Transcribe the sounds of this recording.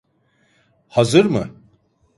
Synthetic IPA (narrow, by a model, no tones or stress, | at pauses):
hazɯɾmɯ̰